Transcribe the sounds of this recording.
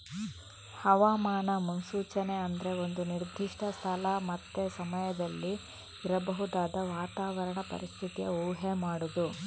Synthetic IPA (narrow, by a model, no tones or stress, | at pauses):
hɐʋaːmaːɳɐmunsuːt͡ʃɐne̞ɐnd̪ɐɾe̞o̞nd̪uniɾd̪ʱiʂʈʰɐst̪ʰɐlamɐt̪ːesɐmɐjɐd̪ɐlːi | iɾɐbɐɦud̪aːd̪ɐʋaːt̪aːʋɐɾɐɳɐpɐ̰ɾist̪ʰit̪ijɐ̰uːɦemaːɽud̪u